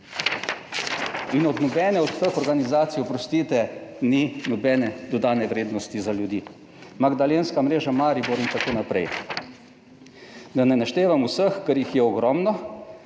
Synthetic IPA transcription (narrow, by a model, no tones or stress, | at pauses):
inɔd̪nɔbɛːnɛɔt̪ːəxɔɾɡanizaːt̪sijɔpɾɔst̪iːt̪ɛninɔbɛːnɛd̪ɔd̪aːnɛʋɾeːd̪nɔst̪izaljud̪iː | maɡd̪alenskamɾeːʒamaːɾibuɾint̪akoːnapɾɛ̰j | d̪anɛnaʃt̪eːʋamusəxkəɾjixjɛɔɡɾɔmnɔ